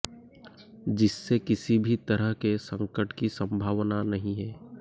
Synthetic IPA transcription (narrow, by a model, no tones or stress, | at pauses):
d͡ʒɪsːekɪsibʱit̪ɐɾəɦkesɐ̃ŋkəʈkisɐ̃mbʱaːʋnanɐɦĩɦɛː